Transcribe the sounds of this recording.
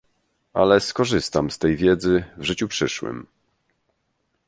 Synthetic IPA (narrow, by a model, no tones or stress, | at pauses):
ʔa̰lɛskɔʐɘst̪amst̪ɛjvʲjɛd̪zɘvʐɘt͡ɕupʂɘʂwɘ̰m